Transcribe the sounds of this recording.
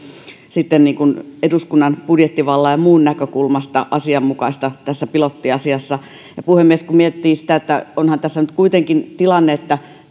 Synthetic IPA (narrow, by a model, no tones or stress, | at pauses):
sit̪ːenniːŋkuneduskunːɑnpudjet̪ːiʋɑlːɑjjɑmuːnnækøkulmɑst̪ɑ̰ʔɑsiɑmmukɑist̪ɑt̪æsːæpilot̪ːiɑsiɑsːɑ | jɑpuhemːieskummiet̪ːiːsi̥t̪æet̪ːæ̰onhɑnt̪æsːænyt̪kuit̪eŋkint̪ilɑnːeet̪ːæ